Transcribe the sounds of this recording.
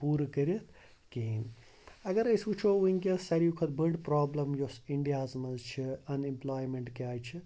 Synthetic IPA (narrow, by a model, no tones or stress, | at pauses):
puːɾkəɾit̪ʰ | kin | ɐɡɐɾɐjsut͡ʃʰouinʲkʲesɐɾijukʰɐt̪bəɖpɾaːblɐmjosiɳɖijaːzmɐzt͡ʃʰiɐnimplaːjmeɳʈkeaːjt͡ʃʰi